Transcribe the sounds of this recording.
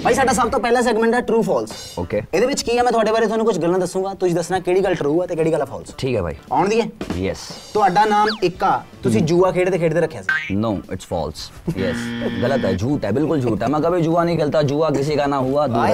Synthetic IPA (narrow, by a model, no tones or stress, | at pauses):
bʱaːiːsaːɖaːs̬əbt̪õːpɛːlãːs̬ɛːɡmɛ̃ɳʈɛːʈɾuːpʰɔːls | oːkeːɪd̪eːʋɪt͡ʃkiːɛːmɛ̃t̪ʊaːɖeːbaːɾeːt̪ʊɦaːnũːkʊt͡ʃʰɡəld̪əsːũːɡaːt̪ʊsĩːd̪əsnaːkeːɽiːɡəlʈɾuːaːt̪eːkeːɽiːɡəlaːpʰɔ̰ːlsʈʰiːkɦɛːbʱa̰ːḭːaːʊɳd̪iːɛːjɛ̰st̪ʊaːɖaːnaːmɪkːaːt̪ʊsĩːd͡ʒuːaːkʰeːɽd̪eːkʰeːʈd̪eːɾəkʰːjaːsiːnoːɪ̰ʈsfɔ̰ːls | jɛ̰sɡələt̪ɛ̰ːd͡ʒuːʈɛːbɪlkʊld͡ʒʱːʈɛːmɛ̃ːkəbiːd͡ʒuːaːnəĩːkʰelt̪aːd͡ʒuːaːkɪs̬eːkaːnãːɦuːaːd̪